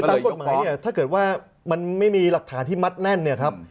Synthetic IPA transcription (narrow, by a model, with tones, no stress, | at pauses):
aː˨˧ko˨˩t̪̚maː˩˦jni˥˩ɐt̪ʰaː˥˩kɤː˨˩t̪̚waː˥˩ | ma˧nma˥˩jmiː˧la˨˩k̚t̪ʰaː˩˦nt̪iː˥˩ma˦˥t̪̚nɛ˥˩nːi˥˩ɐkʰɾa˦˥p̚